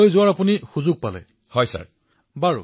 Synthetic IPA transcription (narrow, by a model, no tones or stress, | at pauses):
ojzʊwaɹapunixuzʊɡ̚palɛ̰ | hɔjsa̰ɹ | baɹṵ